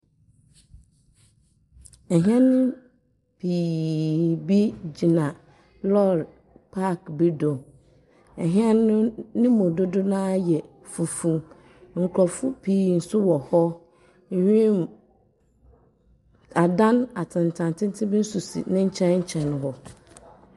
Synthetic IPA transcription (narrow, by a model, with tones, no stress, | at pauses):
ɛ˨ɦɛ̃˦nɪ̃˦ | pʰiː˨ | bi˦d͡ʑi˨nã˨ | lɔ˦˨d | pʰa˦˨kbi˦dõ˨ | ɛ˨ɦɛ˦nʊ̃˦nɪ̃˦mʊ̃˨dʊ˦dʊ˦nãː˦jɛ˨ | fu˨fũ˦ | ŋ̩˨kʰɾɔ˨fʊ˦pʰiː˨n̩˨sʊ˦wɔ˨hɔ˦ | hᶣĩ˦m | a˨dã˦na˨tʰɪ̃˨n˨tʰã˨ntʰɪ̃˦n̩˦tʰɪ˦bɪ˦n̩˦su˨sḭ˨nɪ̃˦ɲ̩˦t͡ɕʰɛ̃˦nɲ̩˦t͡ɕʰɛ̃˨ñ˨˦ɦɔ˨